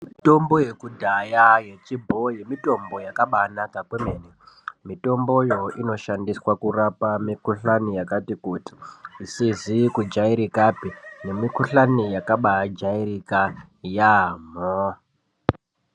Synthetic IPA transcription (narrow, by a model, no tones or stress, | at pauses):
mito̞mbo̞je̞kudʱajaje̞t͡ʃibʱo̞je̞mito̞mbo̞jakaɓanakakwemenemito̞mbo̞jo̞ino̞ʃandiswakurapamikuɬanijakatikuti̥isizikud͡ʒaiɾikapine̞mikuɬanijakaɓad͡ʒaiɾika | jamo